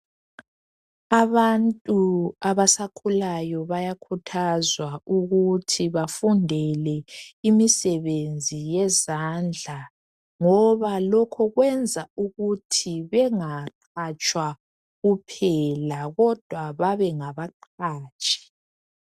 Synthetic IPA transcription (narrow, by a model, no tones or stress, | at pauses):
aβantʼuaβasakʰulajɔβajakʰutʰazwauɣutʰiβafundʱɛlɛimisɛβend͡zʱijɛzand͡ɮʱa | ŋɔβalɔkʰɔɣwɛnd͡zʱauɣutʰiβɛŋaǃ | at͡ʃʼwa | ɣupʰɛlaɣɔd̥ʱwaβaβɛŋaβaǃʰaːt͡ʃʼi̥